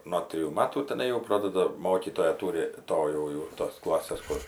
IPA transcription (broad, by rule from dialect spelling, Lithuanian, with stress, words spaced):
noː ˈtʲrʲɪjuː ˈmɑːtuː tʲɛˈnɐɪ jɛʊ ˈproːdɐdɐ ˈmoːkʲiːtoːjɛ ˈtuːrʲɪ ˈtoː jɛʊ jɛʊ toːs ˈklˠɑːsʲeːs ˈkʊr